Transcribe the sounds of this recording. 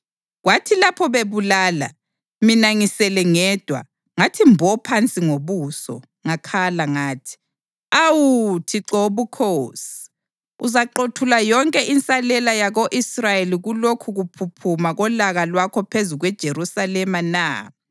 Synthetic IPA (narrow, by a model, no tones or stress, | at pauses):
ɣwatʰilapʰɔβeβulaːla̰ | minaŋisɛlɛŋɛːd̥ʱwa̰ | ŋatʰimbʱɔpʰant͡sʼiŋoβuːsɔ̰ | ŋakʰalaŋaːtʰi̥ | awutʰiǁɔβukʰosi̥ | uzaǃotʰulajɔŋkʼɛʔint͡sʼalɛlajaɣoʔisrajeliɣulokʰuɣupʰupʰumaɣɔlaɣalwakʰɔpʰezuɣwɛd̥ʒ̥ʱeɾusalɛmana̰